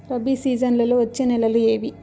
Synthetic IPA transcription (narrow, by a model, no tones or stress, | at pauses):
pɾɐbisiːd͡ʒɐnlɐloːʋɐt͡ʃːenɛlɐlue̞ːʋi